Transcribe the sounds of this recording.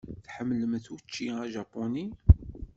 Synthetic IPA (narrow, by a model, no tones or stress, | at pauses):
θħəmːləmθut͡ʃːiæʒɑpːoni